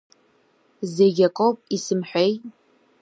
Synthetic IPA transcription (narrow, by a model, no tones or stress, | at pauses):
zeɡʲɐkʷʼopʼisɨmħʷᶣej